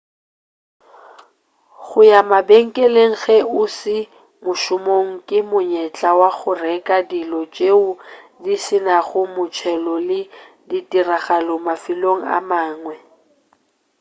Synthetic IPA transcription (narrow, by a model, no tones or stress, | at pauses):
ɣʊjamabeŋ̩kʼɛleŋ̩ɣɛʊsɪ | mʊʃʊmoŋ̩kʼɪmʊɲɛt͡ɬʼawaɣʊrɛkʼadilɔt͡ʃʼeʊdisɪnaɣʊmʊt͡ʃʰɛlɔlɪ | ditʼiraɣalɔmafiloŋ̩a̰maːŋwɛ